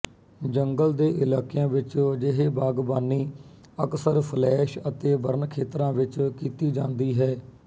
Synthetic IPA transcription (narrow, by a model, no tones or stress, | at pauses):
d͡ʒəŋɡəld̪eːʔɪlaːkijãːʋɪt͡ʃd͡ʒɪɦeːbaːɡbaːniː | əksəɾpʰəlɛːʃət̪eːbəɾnkʰeːt̪ɾãːʋɪt͡ʃkiːt̪iːd͡ʒãːnd̪iːɦɛː